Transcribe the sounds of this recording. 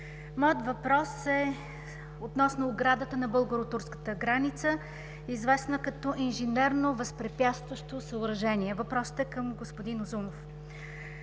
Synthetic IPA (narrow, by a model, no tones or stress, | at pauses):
mɔjət̪vɐpɾɔsɛ | ot̪nɔsnoːɡɾad̪ət̪ənɐbɤlˠɡoɾot̪uɾskə̥t̪əɡɾanit̪sə | izvɛsnəkɐt̪ɔʔinʒɛnɛɾnovɐspɾɛpʲjat̪st̪vəʃt̪osəʊɾɐʒɛniɛvɐpɾɔsə̥t̪ɛkəmɡospʊd̪inozumof